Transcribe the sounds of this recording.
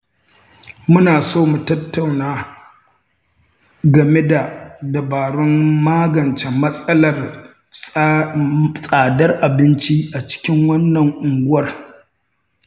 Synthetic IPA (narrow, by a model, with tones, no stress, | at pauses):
mʊ˦naː˨soː˦mu˨tɐ˦tʰːa˨wnaː˦ | ɡɐ˨me˦da˨dɐ˨baː˨ɾɔ˦mːaː˦ɡɐ˨nt͡ʃe˨mɐ˦sʼɐ˦lɐ˨r | sʼaː˨dɐ˦rʔa˨bɪ˦nt͡ʃi˦ʔa˨t͡ʃɪ̥˦kʲɪ˦ŋwɐ˦nːɐ˨ŋʔʊ˨ŋɡʷʊ˦wɐ˦r